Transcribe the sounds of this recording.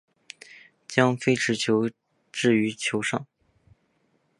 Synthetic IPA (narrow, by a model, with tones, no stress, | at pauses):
t͡ɕjɑ˥ŋfe˥ɪʈ͡ʂʰɻ̩˧˥t͡ɕʰjo˧˥ʊ | ʈ͡ʂɻ̩˥˩y˧˥t͡ɕʰjo˧˥ʊʂɑ˥˩ŋ